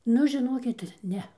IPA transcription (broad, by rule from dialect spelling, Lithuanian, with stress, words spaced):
ˈnʊ ʒʲɪˈnoːkʲɪt ˈnʲɛ